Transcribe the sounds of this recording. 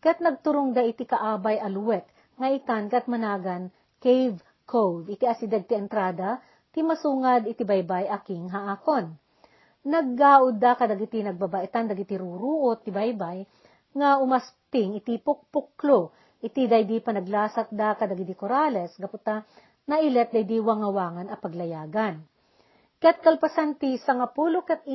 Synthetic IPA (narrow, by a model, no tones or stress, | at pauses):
kɐt̪̚nɐɡ̚t̪ʊɾʊŋd̪aʔɪt̪ikɐʔaːbajɐlwɛk̚ | ŋɐʔɪt̪ankɐt̪̚mɐnaːɡɐn | kɛjv | kʰowvɪt̪iʔɐsɪd̪ɛɡ̚t̪ɛɛnt̪ɾaːd̪a | t̪imɐsuːŋad̪ɪt̪ibajbajʔɐkɪŋɦaʔakon | nɐɡ̚ːaːʔʊd̪akɐd̪ɐɡɪt̪inɐɡ̚babɐʔɛt̪and̪ɐɡɪt̪iɾuɾuːʔot̪ːɪbajbaj | ŋɐʔʊmɐspɪŋɪt̪ipʊk̚pʊklo | ʔɪt̪id̪ɐjd̪ipɐnɐɡlaːsɐt̪̚d̪akɐd̪ɐɡɪt̪ikoɾalɛsɡɐpʊt̪a | nɐʔɪlɛt̪̚d̪ɐjd̪iwɐŋɐwaːŋɐnɐpɐɡlɐjaːɡɐn | kɐat̪̚kɐlpɐsant̪isɐŋapuːlokɛt̪̚